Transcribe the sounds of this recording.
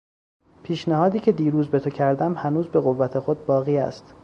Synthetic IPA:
pʰiːʃnæhɒːd̪iːcʰe̞d̪iːɾuːzbet̪ʰocʰæɾd̪æmhænuːzbe̞ɣo̞vːæt̪ʰe̞xo̞d̪̚bɒːɣiːæ̰st̪

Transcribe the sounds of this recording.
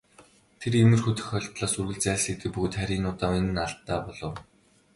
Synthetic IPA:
t̪ʰeremɘ̆rxɵt̪ɵ̆xœɮpɮaːsurɣɘ̆ɮt͡sæːɮset̪ɘ̆k̚puɣ̆t̪χæɾʲiːnʊːt̪aːenɘ̆naɮt̪ːaːpɔɮɞ̆w

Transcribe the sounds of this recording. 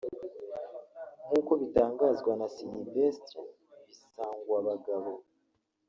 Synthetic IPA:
ŋuːko̞βitaːŋɡaːzɡwanasinivesti | βisaːŋɡwaβaɡaβo̞

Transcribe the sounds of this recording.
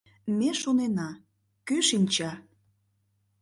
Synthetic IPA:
meʃonenɑ | køʃinʲt͡ɕɑ

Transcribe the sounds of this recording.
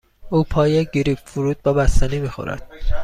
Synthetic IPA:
uːpʰɒːjeɟeɾiːpfuɾuːd̪̚bɒːbæst̪ænimixo̰ɾæ̰d̪̥̚

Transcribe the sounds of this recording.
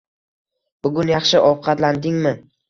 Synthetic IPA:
b̥ʊɡʲʊnjɑχʃɪʔɒwqʰɑt̪land̪ɪŋmɪ

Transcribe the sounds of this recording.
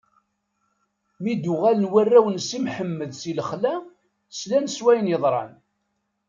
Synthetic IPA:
mid̪ʊʁælənwærːæwənsimħəmːəðsiləχlæ | slænswæjnjəðˤɾˤɑ̰n

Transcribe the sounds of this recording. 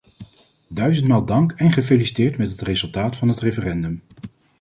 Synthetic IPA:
dœɥzəntmaːlˠdɑŋkɛnχəfejlisi̥tɪːɹtmɛtɦətrezɵlˠtaːtfɑnɦətrefərɛndɵm

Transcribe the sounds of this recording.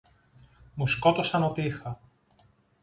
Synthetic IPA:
musko̞t̪osɐnot̪iixɐ

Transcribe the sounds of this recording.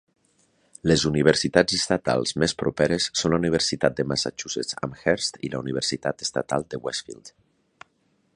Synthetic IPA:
lezuniβ̞eɾsit̪ad͡zest̪at̪a̰lˠzmespɾopɛɾesːonlauniβ̞eɾsit̪at̪̚d̪emasa̰t͡ʃuset͡sa̰mxɛɾst̪ḭlauniβ̞eɾsit̪at̪e̥st̪at̪a̰lˠd̪ewɛsfḭld̪̥

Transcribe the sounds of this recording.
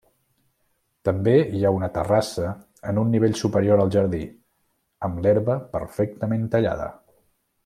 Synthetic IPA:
t̪əmbeiaunət̪ərasə | ənunːiβeʎsupəɾioɾəlˠʒəɾði | əmlɛɾβəpə̰ɾfɛk̚t̪əment̪əʎa̰ðə̰

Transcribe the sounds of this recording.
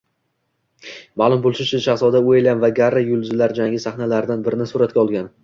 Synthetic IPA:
maːlˠʊmbolˠʃɪt͡ʃʰʊʃasɒd̪aoelamvaɡʲaɾːajʊlˠzɪlaɾd͡ʒaŋɡʲɪsaχnalaɾɪd̪anbɪɾɪnɪsʊɾat̪̚kʲɒlˠɡʲan

